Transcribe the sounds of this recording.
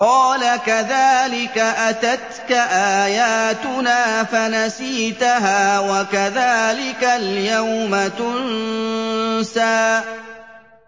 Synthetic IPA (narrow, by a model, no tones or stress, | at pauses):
qɑːlakaðaːlɪkaʔat̪at̪kaʔaːjaːt̪ʊnaːfanasiːt̪aɦaːwakaðaːlɪkaljawmat̪ʊnn | saːʔ